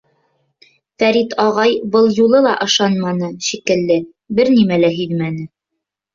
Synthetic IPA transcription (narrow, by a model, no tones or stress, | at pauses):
fæɾit̪ʰɑʁɑjbɤlˠjulˠɤlˠɑʔɤ̆ʃɑnmɑnɤʃikɘ̆lːɘ | bɘɾnimælæɦiðmænɘ